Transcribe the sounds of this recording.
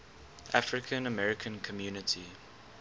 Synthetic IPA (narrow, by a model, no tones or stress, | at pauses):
ʔafɹɪkʰə̃nəmɛɹɪkʰə̃nkʰɔmjuːnɪtʰi